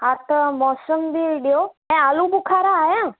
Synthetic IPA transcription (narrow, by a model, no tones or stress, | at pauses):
aɾt̪ʰəmɔsəmbiʋiɖjoɛ̃alũbukʰaɾaːjã